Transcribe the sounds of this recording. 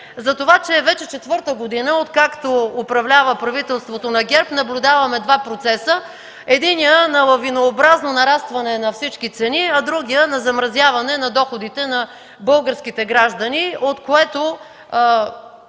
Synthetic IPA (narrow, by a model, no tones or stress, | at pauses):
zɐt̪ovat͡ʃɛːvɛt͡ʃɛt͡ʃɛt̪vɤɾt̪əɡod̪inəot̪kakt̪oopɾɐvlʲavəpɾɐvit̪ɛlˠst̪vot̪onɐɡʲɛɾpnɐblʲʊd̪avɐmɛd̪vapɾot̪sɛsə | ɛd̪inijənɐlˠɐvinoːbɾaznonɐɾast̪vɐnɛnɐfsit͡ʃkit̪sɛniɐd̪ɾuɡʲijənɐzɐmɾɐzʲjavɐnɛnɐd̪ɔxod̪it̪ɛnɐ | bɤlˠɡəɾskit̪ɛɡɾaʒd̪ɐniot̪koɛt̪o